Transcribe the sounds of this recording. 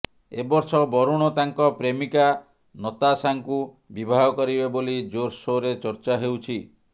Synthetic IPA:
ebɔɾsɔbɔɾuɽ̃ɔt̪aŋkɔpɾemika | nɔt̪asaŋku | bibʱaɦɔkɔɾibebolid͡ʒoɾsoɾet͡ʃɔɾt͡ʃaɦewt͡ʃʰi

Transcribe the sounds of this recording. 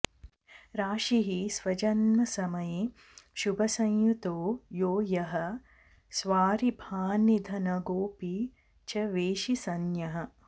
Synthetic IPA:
ɾaːʃiɦisʋɐt͡ʃɐnːɐsɐmɐje | ʃubʱɐsɐ̃ŋjut̪oːjoːjɐɦɐ̆ | sʋaːɾibʱaːnid̪ʱɐnɐɡoːpi | t͡ʃɐʋeːʃisɐnjɐɦɐ

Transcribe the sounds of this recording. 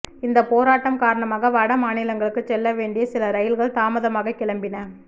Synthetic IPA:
ɪnd̪ɐpoːɾaːʈːɐmkaːɾɐɳɐmaːɣɐʋɐɽɐmaːnɪlɐŋɡɐɭɯkːɯt͡ʃːɛlːɐʋeːɳɖɪjɐsɪlɐɾɐjɪlɣɐɭt̪aːmɐðɐmaːɣɐkɪɭɐmbɪnɐ

